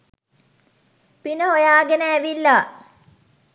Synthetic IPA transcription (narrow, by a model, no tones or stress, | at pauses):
pinəɦojaːɡenəæʋilːa